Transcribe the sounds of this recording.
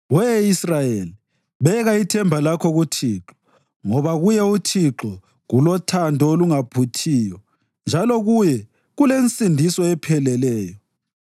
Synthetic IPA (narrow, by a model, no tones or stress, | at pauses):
wɛisrajeli | βɛɣaitʰɛmbʱalakʰɔɣutʰiǁɔ̥ | ŋɔβaɣujɛutʰiǁɔ | ɣulɔtʰandʱɔoluŋapʰutʰiːjɔ | nd͡ʒʱalɔɣujɛ | ɣulent͡sʼindʱisɔɛpʰɛlɛlɛːjɔ